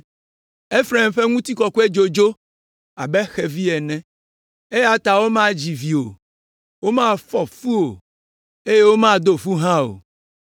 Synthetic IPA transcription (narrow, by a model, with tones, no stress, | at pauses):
e˦fɾɛ˨mɸe˦ŋũ˦t̪i˦kɔ˨ku˦e˦d͡ʒo˨d͡ʒo˦ | a˨bɛ˦xɛ˨vi˦ɛ˨nɛ̃˦ | e˦ja˨t̪a˨wo˦mã˦d͡ʑi˨vi˨o˨ | wo˦mã˦fɔ˨fu˦o˨ | e˦je˦wo˦mã˦d̪o˦fu˦ɦã˦o̰˨